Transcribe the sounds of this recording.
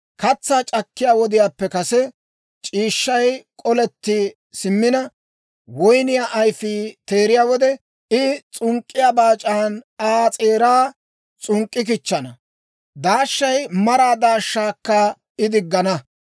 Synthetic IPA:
kɐt͡sːaːt͡ʃʼɐkːɪjaːwɔd̪ɪjaːpːɛkɐsɛ | t͡ʃʼiːʃːɐjkʼɔlɛt̪ːi | sɪmːɪnɐ | wɔjnɪjaʔɐjfiːt̪e̞ːɾɪjaːwɔd̪ɛ | ɪt͡sʼʊŋkʼːɪjaːbaːt͡ʃʼaːnaːt͡sʼeːɾaː | t͡sʼʊŋkʼːɪk̬ɪt͡ʃːɐnɐ | d̪aːʃːɐjmɐɾaːd̪aːʃːaːkːɐ | ɪd̪ɪɡːɐnɐ

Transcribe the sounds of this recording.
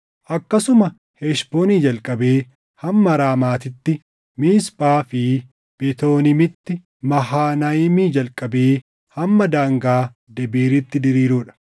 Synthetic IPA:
ʔɐkːɐsʊmɐ | hɛʃboːniːd͡ʒɐlkʼɐbe̞ː | hɐmːɐɾaːmaːt̪ɪt̪ːɪ | mɪːspʼaːfɪ | b̥ɛt̪o̞ːnɪmɪt̪ːɪ | mɐɦaːnɐjɪmiːd͡ʒɐlkʼɐbeː | hɐmːɐd̪aːŋɡaː | d̪ɛbiːɾɪt̪ːɪd̪ɪɾiːɾuːᶑɐ̥

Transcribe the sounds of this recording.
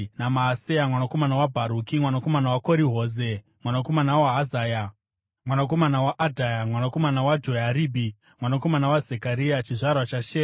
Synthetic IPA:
namaːsejamwanako̞manawabʱaɾukimwanako̞manawako̞ɾiɦo̞ːze | mwanako̞manawaɦːzaːja | mwanako̞manawaʔadʱajamwanako̞manawad͡ʒo̞jaɾiːbʱi | mwanako̞manawazekaɾijat͡ʃiʐarwat͡ʃaʃeː

